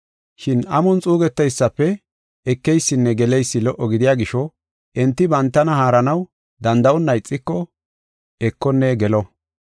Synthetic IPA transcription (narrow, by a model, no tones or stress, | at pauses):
ʃɪnʔɐmɔnt͡sʼuːɡɛt̪ːɐjsːɐpːɛ | ɛkːɛjsːɪnːɛɡɛlɛjsːɪlɔʔːɔɡɪd̪ɪjaːɡɪʃɔ | ʔɛnt̪ːɪbɐnt̪ːɐnɐhaːɾɐnɐw | d̪ɐnd̪ɐɔnːɐjt͡sʼːɪkːɔ | ɛkːɔnːɛɡɛlɔ